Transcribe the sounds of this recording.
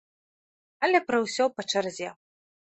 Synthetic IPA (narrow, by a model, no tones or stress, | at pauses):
ɐlʲɛpɾɐwsʲɔpɐt͡ʂɐrzʲɛ